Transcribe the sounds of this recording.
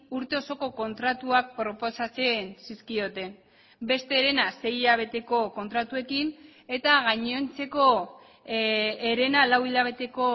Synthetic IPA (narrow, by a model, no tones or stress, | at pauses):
uɾt̪e̞o̞so̞ko̞ko̞nt̪ɾat̪uak̚pɾo̞po̞sat͡se̞nsiskio̞t̪e̞n | be̞st̪e̞ːɾe̞nase̞jʎaβ̞e̞t̪e̞ko̞ko̞nt̪ɾat̪ue̞kin | e̞t̪aɣaɲo̞nt͡se̞ko̞ | eɾe̞nalawiʎaβ̞e̞t̪e̞ko̞